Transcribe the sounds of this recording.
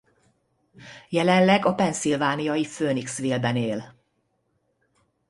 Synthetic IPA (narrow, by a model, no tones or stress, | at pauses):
jɛlɛnlɛɡɒpɛnsilvaːnijɒjiføːniksʋeːlbɛneːl